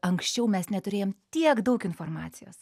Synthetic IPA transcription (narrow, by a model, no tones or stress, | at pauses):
ɐŋksʲt͡ʃʲɛʊmʲɛsnʲɛt̪ʊɾʲeːjoːmt̪ʲiɛkd̪ɐʊkɪnfoːɾmɑ̰ːt̪sʲɪjoːs